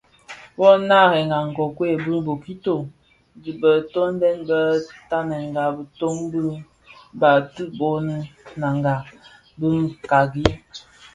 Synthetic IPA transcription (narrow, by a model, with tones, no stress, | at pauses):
wɔ˦na˦ɣɛ˨ŋɡa˨ŋ̩˨ɡɔ˨kwe˦˨bɨ˦bo˨ki˦to˨ | di˨bə˨to˦n˦dɛ˦nbə˦ta˦nɛ˨ŋ˨ɡa˨bə˨to˦mbə˦ | ba˨ti˦bo˦nə˦na˨ŋɡa˨ | bə˦ŋ˦ka˨ɡi˦